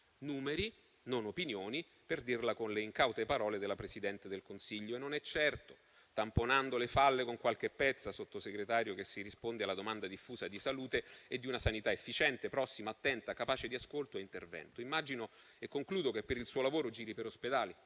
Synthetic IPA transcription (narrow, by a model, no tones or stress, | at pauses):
nuːmeɾi | nonopinjoːni | perd̪irlakonleiŋkawt̪epaɾɔːled̪elːapɾesid̪ɛnt̪ed̪elkonsiʎːoenːonɛt͡ʃːɛrt̪o̥ | t̪amponand̪olefalːekoŋkwalk̟epːɛt̪sːasot̪ːoseɡɾet̪aːɾjokesːirispond̪ealːad̪omand̪ad̪ifːuːzad̪isaluːt̪eed̪ːiunasanit̪aefːit͡ʃɛnt̪epɾɔsːimaːt̪ːɛnt̪akapaːt͡ʃed̪iaskolt̪oeint̪ervɛ̰nt̪oimːad͡ʒino | ekːoŋkluːd̪okepːeɾilsuːolavoːɾod͡ʒiːɾipeɾosped̪aːli